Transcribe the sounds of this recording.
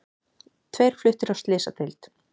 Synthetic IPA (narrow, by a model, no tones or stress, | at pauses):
t̪ʰvejɾ̥flʏht̪ɪɾawst̪lɪːsat̪ʰɪjlt̪